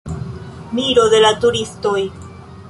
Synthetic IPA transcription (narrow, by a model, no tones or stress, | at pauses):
miɾo̞d̪e̞latuɾisto̞j